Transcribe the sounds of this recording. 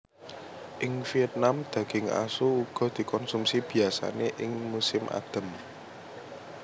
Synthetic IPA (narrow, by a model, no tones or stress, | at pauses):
ʔɪŋfiɛt̪̚namd̪̥a̤ɡ̥ɪŋa̰suuɡ̥ɔ̤d̪̥i̤kɔnsumsib̥i̤asa̰neʔɪŋmusɪmʔa̰d̪̥ə̤m